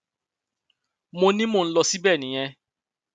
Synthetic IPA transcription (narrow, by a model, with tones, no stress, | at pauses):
mo˧nĩ˦mo˦˧n̩˦lɔ˧si˦bɛ˦˨nĩ˨j̃ɛ̃˧